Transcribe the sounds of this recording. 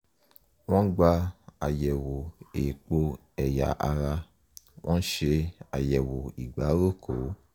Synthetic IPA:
wɔ̃˦ɡ͡ba˧a˨jɛ˨wo˨e˨k͡po˧ | ɛ˨ja̰˨ʔa˧ɾa˧ | wʔɔ̃˦ʃe˧a̰˨jɛ˨wo˨i˨ɡ͡ba˨˦ɾo˦˨kʰo˨˦

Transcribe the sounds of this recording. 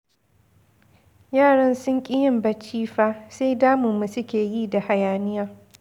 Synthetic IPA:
jaː˦˨ɽɐ˦nsʊ˦ŋkʲʼɪ˦jɪ˨mbɐ˨t͡ʃiː˦ɸaː˦se˦jdaː˦mʊ˨mːu˨sʊ˦kʲeː˨jiː˦da˨ha˨jaː˨nɪ˦jaː˦

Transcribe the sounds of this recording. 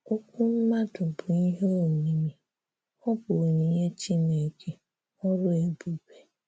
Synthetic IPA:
o˦kʷʊ˦m̩˦ma˦dʊ˨bʊ˨i˦ɦe˦o˨ɲi˨mi˨ | ɔ˦bo˨ɲi˨ɲe˦t͡ʃi˦ne˨kʰe˦ | ɔ˦ɾʊ˦e˨bu˨be˨

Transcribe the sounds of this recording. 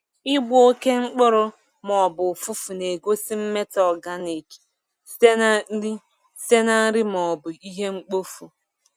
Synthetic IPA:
ɪ˦ɡ͡bʊ˦o˦ke˦ŋ͡m̩˦k͡pʊ˦ɾʊ˦ | mɔ˨bʊ˨fu˦fu˨ne˨ɡo˦si˦m̩˦me˦tɔ˨ɡa˦ne˨d͡ʒ | se˦n˦ɾi˦ | se˦na˦n̩˦ɾi˦mɔ˨bʊ˨i˦ɦe˦ŋ͡m̩˦k͡po˦fu˨

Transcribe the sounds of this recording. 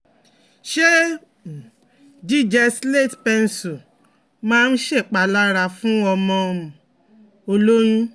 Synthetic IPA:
ʃe˦˨ | d͡ʒi˦˨d͡ʒɛ˧sle˦˨tpe˧n˨su˨ | mãː˦˧n̩˦ʃe˦˨k͡pa˨la˦ɾa˧fũ˦ɔ˧mɔ̃˧ | o˧lo˦ɾ̃ũ˦

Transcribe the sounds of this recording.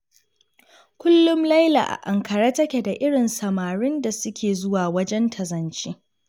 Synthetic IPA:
kʷʊ˦lːʊ˦mlɐ˦jla̰˨ʔa̰˨ʔa˨ŋkɐ˨ɾaː˦tɐ˦kʲe˨da˨ʔɪ˦ɽɪ˨nsɐ˨maː˨ɽɪ˦nda˨sʊ˦kʲʰeː˨zʊ˦waː˨wɐ˦d͡ʒɛ˦ntʰɐ˨zɐ˨nt͡ʃiː˦

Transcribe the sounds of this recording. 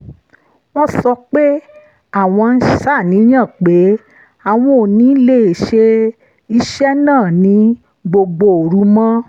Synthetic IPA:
w̃ɔ̃˦sɔ˧k͡pe˦ | a˦˨w̃ɔ̃˧n̩˦ʃa˦˨nĩ˨˦j̃ã˦˨k͡pe˨˦ | a˨w̃ɔ̃˦o˨nĩ˨˦le˦˨e˨ʃe˧ | i˧ʃɛ˦nãː˦˨nĩ˨˦ | ɡ͡bo˧ɡ͡bo˧o˨ɾu˨˦mɔ̃˦

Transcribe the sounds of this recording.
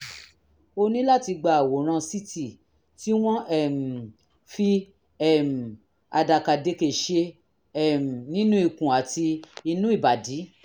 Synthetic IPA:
o˧nĩ˦la˦ti˧ɡ͡ba˨wo˨ɾ̃ã˧si˦ti˦˨ | ti˦w̃ɔ̃˦ɛ˦˨m̩˨ | fi˧ | ɛ˦˨m̩˨ | a˧da˨ka˨de˨˧˦ke˨ʃe˧ | ɛ˦˨m̩˨nĩ˦nũ˦i˦˨kũ˨a˨ti˧i˧nũ˦i˦˨ba˨di˨˦

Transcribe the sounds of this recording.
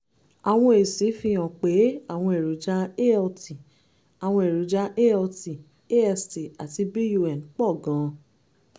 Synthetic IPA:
a˨w̃ɔ̃˧e˨si˨˦fi˧j̃ã˨k͡pe˨˦a˦˨w̃ɔ̃˧e˨ɾu˨d͡ʒa˧˦e˦ɔ˧ti˨ | a˨w̃ɔ̃˧e˨ɾu˨d͡ʒa˧˦ʔe˦ɔ˧ti˨ | e˦ɛ˧sti˨a˨ti˧bi˦ju˧ɛ˨n˨k͡pɔ˦˨ɡã˨˧

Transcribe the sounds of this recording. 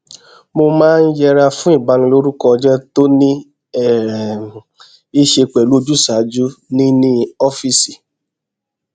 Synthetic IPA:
mo˧mãː˦˧n̩˦jɛ˧ɾa˧fũ˦i˦˨ba˨˧nĩ˧lo˦ɾu˦kɔ˧d͡ʒɛ˦to˦nĩ˦ | ɛ˦˨ | i˦ʃe˧k͡pɛ˨lu˨˦d͡ʒu˦˨sa˨˦d͡ʒu˦nĩ˦nĩ˦ɔ˦fi˦si˨

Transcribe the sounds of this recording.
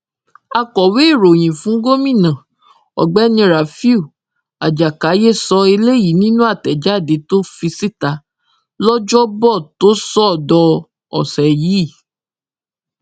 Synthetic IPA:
a˧kɔ˨we˦˨ɾo˨j̃ĩ˨fũ˨˦ɡo˦mĩ˦˨nã˨ | ɔ̰˨ɡ͡bɛ˨˦nĩ˧ɾa˨fi˦u˦˨ | a˨d͡ʒa˨ka˨˦je˦˨sɔ˧e˧le˦ji˨˦nĩ˦nũ˦a˦˨tɛ˨d͡ʒa˦˨de˨˦to˦fi˧si˦˨ta˧˦ | lɔ˦d͡ʒɔ˦bɔ˦˨to˦sɔ˦˨dɔ˧ | ɔ̰˨sɛ˨ji˨˦˨

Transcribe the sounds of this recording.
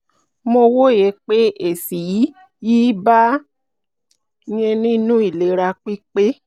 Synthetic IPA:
mo˧wo˦jɛ˨˧˦k͡pe˦e˨si˨˦ | ji˦ba˦ | j̃ɛ̃˧nĩ˦nũ˦i˦˨le˨˦ɾa˧k͡pi˦k͡pe˦

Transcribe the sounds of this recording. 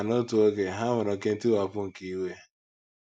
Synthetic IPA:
no˦tu˨o˦ke˨ɦa˦mʊ˨nɔ˨ke˦n̩˦ti˦wa˨pʊ˦ŋ̩˨ki˨˦we˦

